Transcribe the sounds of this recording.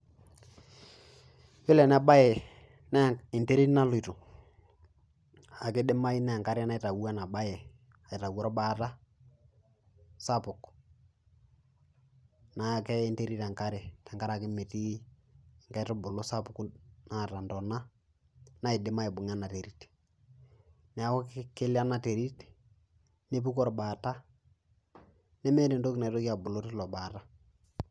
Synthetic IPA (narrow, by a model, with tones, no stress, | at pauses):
bɪ˦lɛ˨na˦ba˦je˨ | n˦˨ɪ˨nte˦ɾi˦tna˦lʊ˦˨i˨to˨ | a˨kɪ˦dɪ˦ma˦i˦na˦a˨ŋka˦ɾɪ˦na˦ɪ˨ta˨wa˦na˨ba˦je˨ | a˨ɪ˨ta˨wɔ˦ɾɔ˦ba˦ta˦ | sa˦pʊ˨k | na˨kɛ˦ɪ˦nte˦ɾi˦ta˨ŋka˦ɾe˨ta˨ŋɡa˦ɾa˨kɪ˦me˨ti˦˨ | ŋka˦ɪ˦tɔ˦bʊ˨lo˦sa˦pʊ˨ku˦na˦ta˨ndɔ˨na˦ | na˦ɪ˨dɪ˦ma˦ɪ˨bʊ˨ŋ˦a˦na˨te˨ɾi˦t | nɛ˨a˨kɔ˦kkɪ˦lɪ˦a˦na˨te˨ɾi˦t | ne˦p̬u˦kɔ˦ɾbaː˨ta˦ | nɛ˦mɛ˦ne˨ndo˦kna˨i˨to˦ka˨bʊ˨lo˦tɪ˦lɔ˨ba˨ta˦